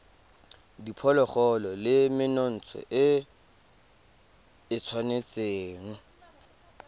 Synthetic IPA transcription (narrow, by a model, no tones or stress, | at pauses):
dipʰɔlɔχɔlɔlɪmɪnɔn̩t͡sʰɔ̰ʔɪ | ɪt͡sʰwanet͡sʼeːŋ̩